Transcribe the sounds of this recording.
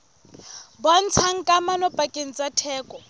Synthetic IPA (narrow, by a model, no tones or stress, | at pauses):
bɔn̩t͡sʰaŋ̩kʼamanɔpʼakʼen̩t͡sʼatʰɛːkʼɔ